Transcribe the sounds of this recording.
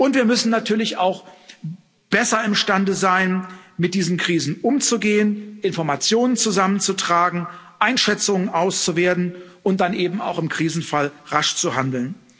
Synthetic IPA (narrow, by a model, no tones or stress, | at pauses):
ʔʊntv̥iːɐmʏsn̩nːatʰyːɐlɪçaʊx | b̥ɛsɐɪmʃtandəzaɪnmɪt̚d̥iːzn̩kʁ̥iːzn̩ʔʊmt͡suɡeːənʔɪnfɔɐmat͡sjoːnənt͡suzamənt͡sutʁ̥aːɡŋ̩ʔaɪnʃɛt͡sʊŋənʔaʊst͡suveːɐtn̩ʔʊnt̚d̥anʔeːbm̩a̰ʊxɪmkʁ̥iːzn̩falʁaʃt͡suhandl̩n